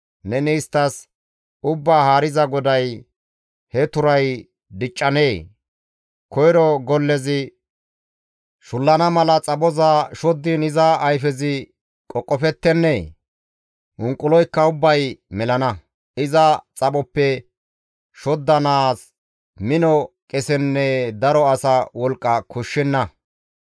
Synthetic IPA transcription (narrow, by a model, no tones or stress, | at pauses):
nɛniːst̪ːɐs | ʊbːaːhaːɾɪzɐɡɔd̪ɐj | hɛt̪ʊɾɐj | d̪ɪt͡ʃʼːɐneː | kɔjɾɔɡɔlːɛzɪ | ʃʊlːɐnɐmɐlɐt͡sʼɐɓɔzaʃɔd̪ːɪnɪzaʔːjfɛzɪ | kʼɔkʼːɔfɛt̪ːɛnːɛ | ʔʊŋkʼːʊlɔjkːɐʊbːɐjmɛlɐnɐ | ɪzɐt͡sʼɐɓɔpːɛ | ʃɔd̪ːɐnaːs | mɪnɔkʼɛsɛnːɛd̪ɐɾɔɐsɐwɔlkʼːɐkʰʊʃːɛnːɐ